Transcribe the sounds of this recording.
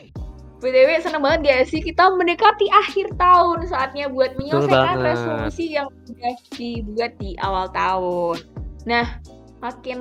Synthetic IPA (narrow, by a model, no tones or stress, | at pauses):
bed̪ewesənəŋbaŋət̪̚ɡasɪhkit̪amənekat̪iʔahɪrt̪aʊnsaːt̪̚ɲabuat̪̚məɲəseanresolusijaŋudahdibuat̪̚diʔa̰walt̪aʊnːah | makɪn